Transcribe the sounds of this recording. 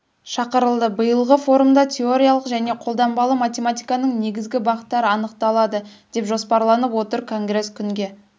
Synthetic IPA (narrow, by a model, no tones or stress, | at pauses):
ʃɑqəɾəlˠd̪əbəjəlˠʁəfo̞ɾumd̪ɑt̪ʲʰe̞o̞ɾʲijalˠəqʒæne̞qʰo̞lˠd̪ɑmbɑlˠəmat̪ʲe̞mat̪ʲijkɑnəɴne̞ɡʲɪzɡʲɪbɑʁət̪ːɑɾəɑnəq̚t̪ɑlˠɑd̪əd̪̥e̞pʒo̞spɑɾlˠɑnəpwo̞t̪əɾkʰo̞ŋɡɾe̞skʲʰʏŋɡʲe̞